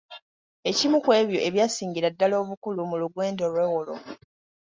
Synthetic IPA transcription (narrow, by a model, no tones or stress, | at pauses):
e̞cimukwe̞ːβjo̞ʔeβjaːsiːɲɟiɾadːalo̞ːβukulumuluɡwe̞ːndolwe̞ːwolo̰